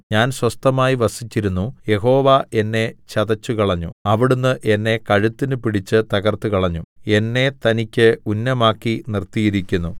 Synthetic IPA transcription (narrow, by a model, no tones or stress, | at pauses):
ɲaːnswɐst̪ɐmaːjiʋɐsit͡ɕːiɾunːuje̞ɦo̞ːʋaʔe̞nːe̞t͡ɕɐðɐt͡ɕːukiɐɭɐɲːuɐʋiɽunːɨʔe̞nːe̞kɐɻut̪ːinɨpiɽit͡ɕːɨt̪ɐɣɐrt̪ukɐɭɐɲːue̞nːe̞t̪ɐnikʲːɨunːɐmaːkːinirt̪ijiɾikʲːunːu